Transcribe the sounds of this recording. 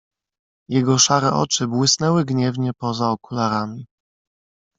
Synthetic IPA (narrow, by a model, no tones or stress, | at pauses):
jɛɡɔʂaɾɛʔɔ̰t͡ʂɘbwɘsnɛwɘɡɲɛvɲɛpɔzaɔkulaɾamʲi